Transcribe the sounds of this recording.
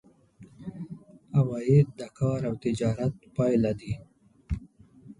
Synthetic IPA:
awɑjɪd̪̚d̪akɑːɾawt̪ɪd͡ʒɑːɾat̪pɑːjlad̪i

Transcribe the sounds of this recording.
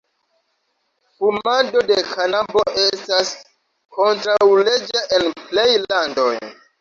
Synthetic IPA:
fumando̞de̞kʰanabo̞ʔe̞stas | ko̞ntɾawle̞d͡ʒaʔenple̞jlando̞̰j

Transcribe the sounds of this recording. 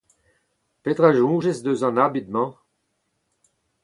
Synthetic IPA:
pet̪ʁaʒũːʒesd̪øzɑ̃nabid̪mɑ̃

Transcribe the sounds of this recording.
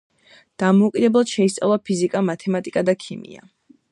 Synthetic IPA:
d̪̥amɔukʼid̪ɛblˠad̪̥ʃɛist̪sʼa̰vlˠapʰizikʼamat̪ʰɛmat̪ʼikʼad̪akʰimḭa̰

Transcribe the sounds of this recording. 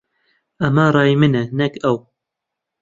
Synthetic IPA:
ɐmarˤɑːjmɨnɛnɛkɛw

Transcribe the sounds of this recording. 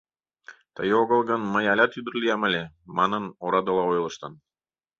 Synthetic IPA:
t̪əjoɣə̆lˠɣə̆nməjɑlʲɑt̪yd̪ə̆ɾlʲijɑmə̆lʲe | mɑnɤnoɾɑd̪ɤlˠɑojlˠɤʃt̪ɤn

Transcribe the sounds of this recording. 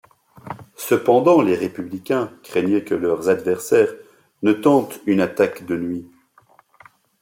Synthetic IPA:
səpɑ̃d̪ɑ̃leʁepyblikʲɛ̃kχɛɲjɛkəlœʁzad̪vɛʁsɛːʁ | nət̪ɑ̃t̪ynat̪akd̪ənɥi

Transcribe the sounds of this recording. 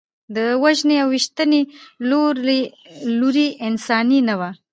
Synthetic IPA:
d̪əwaʒneawwiʃt̪əneloɾe | luɾiʔɪnsɑninawa

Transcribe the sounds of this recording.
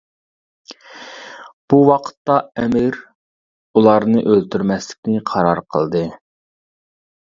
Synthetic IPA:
b̥uwɑqʰə̥t̪ːɑɛmɪɾ | ulˠɑɾnɨʔølt̪ʰyɾmɛslɪ̥kʲnɪqʰɑɾɑɾqʰə̰lˠd̪ɨ

